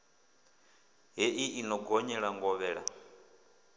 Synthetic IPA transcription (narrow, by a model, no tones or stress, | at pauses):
ɦɛʔiinɔɡɔɲɛɺaŋɡɔβɛːɺa̰